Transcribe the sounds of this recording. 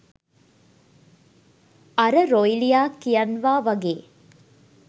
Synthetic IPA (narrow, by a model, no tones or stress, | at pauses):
ɐɾəɾojlijaːkːijɐnʋaːʋɐɡeː